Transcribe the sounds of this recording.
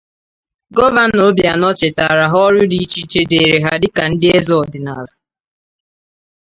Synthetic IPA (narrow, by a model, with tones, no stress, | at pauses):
ɡɔ˦va˦n̩˦no˦bja˨nɔ˦t͡ʃɪ˨ta˨ɾa˨ɦɔ˦ɾʊ˦di˦t͡ʃi˦t͡ʃe˦de˨ɾe˨ɦa˦dɪ˦ka˨n̩˦dɪ˦e˦zɔ˨dɪ˨na˨la˨